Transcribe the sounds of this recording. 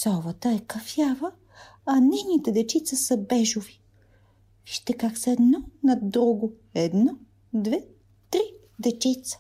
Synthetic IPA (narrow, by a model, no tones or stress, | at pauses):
sɔvət̪əɛkɐfjavə | ɐnɛnit̪ɛd̪ɛt͡ʃit̪səsɐbɛʒovi̥ | ʃt̪ɛkaksəɛd̪nɔnɐd̪ɾuɡo | ɛd̪nɔ | d̪vɛ | t̪ɾi | d̪ɛt͡ʃɛt̪sə̥